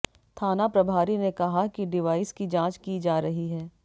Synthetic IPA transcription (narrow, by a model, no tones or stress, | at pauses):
t̪ʰaːnapɾɐbʱaːɾinekɐɦakiɖɪʋaːɪskid͡ʒãːt͡ʃkid͡ʒaːɾɐɦiɦɛː